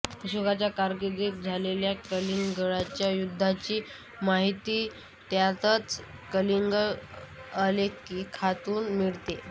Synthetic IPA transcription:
əɕoɡat͡ɕjakaɾɡed̪ek̚d͡zʱaleljakəliŋɡəɭat͡ɕjajud̪ʱːat͡ɕiː | maɦit̪iː | t̪jat̪ət͡s | kəliŋɡəɭalekiːkʰat̪uːnmiɭt̪e

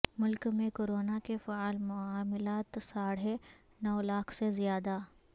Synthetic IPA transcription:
mʊlkmẽkoːɾoːnakefaaːlmʊaːmɪlaːt̪saːɽ̤e | nɔːlaːkʰsezijaːd̪a

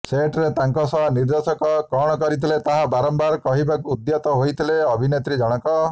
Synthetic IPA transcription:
seʈɾet̪aŋkɔsɔniɾd̪esɔkɔkɔɽ̃ɔkɔɾit̪ʰilet̪aɦabaɾɔmbaɾkɔɦibakuːd̪jɔt̪ɔɦojt̪ʰileɔbʱinet̪ɾid͡ʒɔɽ̃ɔkɔ

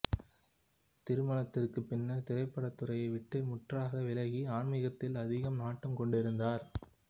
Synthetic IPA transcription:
t̪ɪɾɯmɐɳɐt̪ːɪrkɯpːɪnːɐt̪ɪɾɐɪpːɐɽɐt̪ːɯɾɐjɐɪʋɪʈːɯmʊʈraːɣɐʋɪlɐɣiaːɳmɪɣɐt̪ːɪlɐðɪɣɐmnaːʈːɐmkɔɳɖɪɾɯnd̪aːɾ

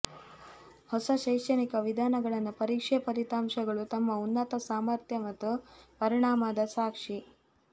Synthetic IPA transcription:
hɔsɐʃɐjʂɐnikɐʋid̪ʱaːnɐɡɐɭɐnːupɐɾiːkʂɛpɐɾit̪aːmʃɐɡɐɭut̪ɐmːɐunːɐt̪ɐsaːmɐɾt̪ʰjɐmɐt̪ːupɐɾiɳaːmad̪ɐsaːkʂi

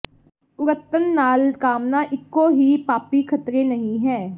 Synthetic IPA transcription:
ʊɾət̪ːənːaːlkaːmnaːʔɪkːoːɦiːpaːpiːkʰət̪ɾeːnəɦĩːɦɛː

